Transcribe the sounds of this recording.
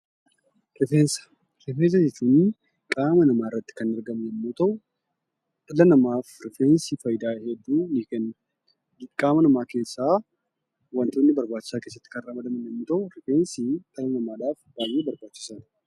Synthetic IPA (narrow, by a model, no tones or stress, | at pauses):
rɪfeːnsɐ̥ | ɾɪfens̬ɐd͡ʒɛt͡ʃːuːnːɪ | kʼaːmɐnɐmaːɪrːɐt̪ːɪ̥kɐnɐɾɡɐmnɛmːuːt̪ɐʔʊ | t̪ʼɐlɐnɐmaːfɾɪfeːnsiːfɐjd̪aːhɛd̪ːuːnɪkɛnː | kʼaːmɐnɐmaːke̞ːsːaː | wɐnt̪oːnːɪbɐɾbaːt͡ʃːɪ̥saːke̞ːs̬ːɐt̪ːɪkɐnraːmɐd̪ɐmɐmnɛmːuːt̪ɐʔʊɾɪfeːnsit̪ʼɐlɐnɐmaːd̪aːfb̥aːjːeːbɐɾbaːt͡ʃːɪ̥san